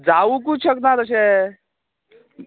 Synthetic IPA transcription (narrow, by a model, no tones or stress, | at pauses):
d͡zauk̬ut͡ɕʰəknat̪əs̬ẽ